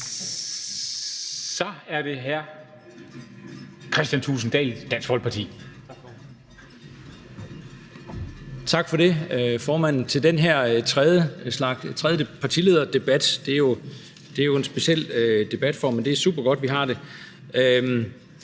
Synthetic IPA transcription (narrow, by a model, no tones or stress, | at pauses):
sɒ̽æɐd̥e̝ɦæɐ̰ | kʰɛsd̥jænt͡sʰṵːsn̩d̥ɛ̰ːld̥æn̰sɡ̥ʋɒ̽l̰pʰɑt͡sʰḭː | t͡sʰɑ̈ɡ̥fɒ̽ɾe̝fɒːmæn̰n̩t͡sʰe̝ld̥enɦæɐ̰t͡sʰʁɛðˠjəslɑ̈ɡ̥t͡sʰʁɛðˠjəpʰɑ̈t͡sʰile̝ːðˠɐd̥e̝b̥æd̥d̥e̝æɐjo̝ | d̥e̝æɐjo̝e̝nsb̥e̝ɕel̰ød̥e̝b̥æd̥fɒmend̥e̝æɐsṵːb̥ɐɡ̥ɒ̽d̥ʋiɦɑ̈d̥e̝ | øm